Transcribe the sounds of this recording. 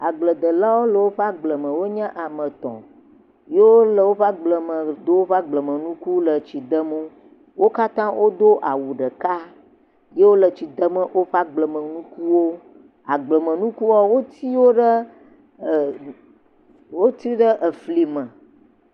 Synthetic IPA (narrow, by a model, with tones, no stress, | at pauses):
a˨ɡ͡blə˨d̪ə˨la˦wo˦lə˨wo˦ɸa˦ɡ͡blə˨mə̃˨wo˦ɲə̃˦ʔa˨mə̃˨t̪ɔ̰̃˨ | je˦wo˦lə˨wo˦ɸa˦ɡ͡blə˨mə̃˨d̪o˦wo˦ɸa˦ɡ͡blə˨mə̃˨nũ˦ku˦lə˨t͡ɕi˨d̪ə˦mu˦ | wo˦ka˦t̪ã˦wʔo˦d̪o˦ʔa̰˨wu˨ɖə˨ka˦ | je˦wo˦lə˨t͡ɕi˨d̪ə˦mə̃˨ʔo˦ɸa˦ɡ͡blə˨mə̃˨nũ˦ku˦wo˦ | a̰˨ɡ͡blə˨mə̃˨nũ˦ku˦wɔ˦wo˦t̪i˦wo˦ɖə˦˨ | wo˦t̪ɾi˦ɖə˦ʔə˨fli˨mə̃˨